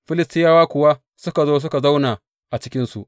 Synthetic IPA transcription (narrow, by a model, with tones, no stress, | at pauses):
ɸɪ˦lɪ˨stɪ˦jaː˦waː˦kʷʊ˨wa˦ | sʊ˦ka˨zoː˦s̬ʊ˦ka˨za˦wna˨ | ʔa˨t͡ʃɪ˦kʲɪ˦nsṵ˨ʔ